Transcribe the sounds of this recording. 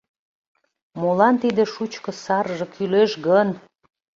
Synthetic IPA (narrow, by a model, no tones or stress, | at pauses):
molɑnt̪id̪eʃut͡ɕkɤ̆sɑrʒɤ̆kʰyleʃɡən